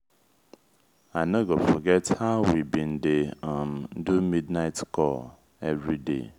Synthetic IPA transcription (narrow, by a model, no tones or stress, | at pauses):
anɛɡofɔɡɛthaʊwibĩn̩deamn̩dumidnaɪtkʰɔl | ɛvɹidḛ